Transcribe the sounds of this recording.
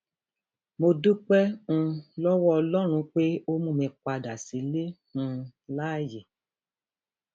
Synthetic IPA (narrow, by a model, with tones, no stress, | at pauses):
mo˧du˦k͡pɛ̃˦˧ | lɔ˦wɔ˦ɔ˧lɔ˦ɾ̃ũ˧k͡pe˦o˦mũ˦˧˨mɛ̃˧k͡pa˧da˨si˨˦le˦hũ˧la˦˨je˨